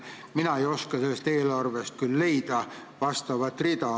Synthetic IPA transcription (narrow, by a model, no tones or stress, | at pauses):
minɑejo̞skɑselːst̪e̞ːlɑrvest̪̚kylːe̞jd̪̥ɑ | vɑst̪ɑvɑt̪ːˑrid̪ɑ